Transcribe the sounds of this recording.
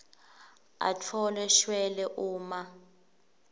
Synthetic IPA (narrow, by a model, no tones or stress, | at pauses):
a̰tʰɔlɛʃwɛlɛʔuːma